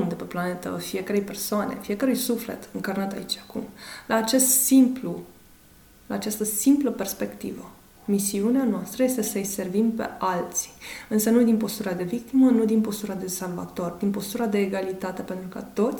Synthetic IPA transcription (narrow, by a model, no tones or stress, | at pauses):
d̪epe̞plane̞t̪ə̰fie̞kəɾe̞jpe̞rsoanḛfije̞kəɾujsufle̞̰t̪ɨŋkarnat̪a̰it͡ʃakumlʔaːt͡ʃe̞st̪simplu | laːt͡ʃast̪əsimpləpe̞rspe̞kt̪ivə | misiuneanoast̪ɾəje̞st̪e̞səɨjse̞rvimpe̞̰alt̪si̥ɨnsənud̪inpo̞st̪uɾad̪e̞vik̚t̪imənud̪inpo̞st̪uɾad̪e̞salva̰t̪o̞rd̪inpo̞st̪uɾad̪e̞ːɡalit̪at̪e̞pe̞nt̪ɾukət̪o̞t̪sʲ